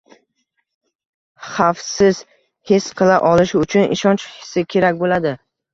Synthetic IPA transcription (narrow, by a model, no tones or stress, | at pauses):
χafsɪz̥ | hesqʰɨlˠaʔɒlɪʃʊt͡ʃʰʊnɪ̰ʃɒnt͡ʃhɪ̥sɪkʲʰe̞ɾakʲbolad̪ɪ